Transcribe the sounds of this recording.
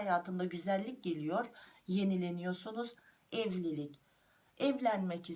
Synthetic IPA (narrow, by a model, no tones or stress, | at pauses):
ajaːt̪ʰɯnd̪aɟyzælʲːic̚ɟe̞lʲijo̞ɾ̥je̞nilʲe̞nijo̞ɾsunuz | ɛvlʲilʲic | ɛvlʲænmɛci